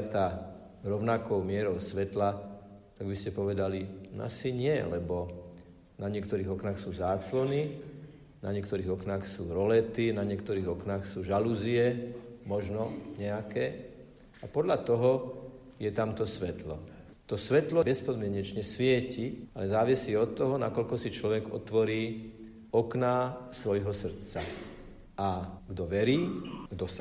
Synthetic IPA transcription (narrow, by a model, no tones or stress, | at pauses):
t̪a | ɾɔʊnakɔʊmɪɛɾɔʊsʋɛt̪lat̪aɡbiscɛpɔʋɛd̪alin̰a̰siɲɪɛlɛbɔ | naɲɪɛkt̪ɔɾiːɣɔknaːxsuːzaːt͡slɔni | na̰ɲɪɛkt̪ɔɾiːɣɔknaːxsuːɾɔlɛt̪inaɲɪɛkt̪ɔɾiːɣɔknaːxsuːʒaluziɛmɔʒnɔɲɛakɛː | apɔd̪ʎat̪ɔɦɔ | jɛt̪amt̪ɔsʋɛt̪lɔ̰ | t̪ɔsʋɛt̪lɔbɛspɔd̪mɪɛɲɛt͡ʃɲɛsʋɪɛcialɛzaːʋisiɔt̪ːɔɦɔna̰kɔʎkɔsit͡ʃlɔʋɛɡɔ̰t̪ʋɔɾiː | ɔknaːsʋɔjɦɔsr̩t̪t͡sa | aɡd̪ɔʋɛɾiːɡd̪ɔs